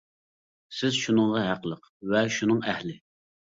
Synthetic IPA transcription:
sɪzʃunɨŋʁɑɦæqəlˠəq | vɛʃunɨŋɛhlɪ

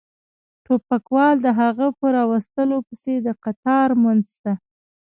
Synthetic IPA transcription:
ʈopakwɑld̪əɦaɣəpəɾɑwast̪əlopəsed̪əqat̪ɑɾmanzst̪a

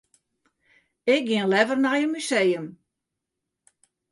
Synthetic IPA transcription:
ɪk̚ɡɪənlɛvərnajəmyseːəm

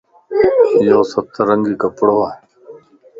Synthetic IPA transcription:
joːsəb̚t̪ʰəɾəŋɡiːkəpɽoːaː

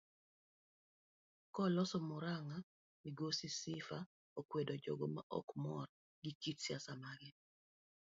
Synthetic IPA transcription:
kɔlɔsɔmɔɾaŋa | miɡosisifa | okwedod͡ʒo̰ɡoma̰ʔɔ̰kmɔr | ɡikitjasamaɡɪ

